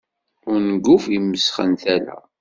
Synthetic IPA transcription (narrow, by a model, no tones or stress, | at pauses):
ʊɾnəɡːufimːəsχə̰nt̪ælæ̰